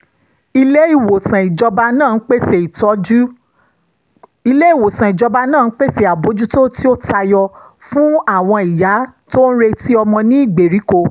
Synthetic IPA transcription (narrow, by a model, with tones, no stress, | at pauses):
i˧le˦i˦˨wo˨sã˨i˨d͡ʒɔ˧ba˧nãː˦˨˦k͡pe˦se˨i˨tɔ˨˦d͡ʒu˦ | i˧le˦i˦˨wo˨sã˨i˨d͡ʒɔ˧ba˧nãː˦˨˦k͡pe˦se˧˦˨a˨bo˨˦d͡ʒu˦to˦ti˦o˦ta˧jɔ˧ | fũ˦a˦˨w̃ɔ̃˧i˨ja˨˦to˦ñ̩˦ɾe˧ti˦ɔ˧mɔ̃˧nĩ˦i˦˨ɡ͡be˨ɾi˨˦ko˧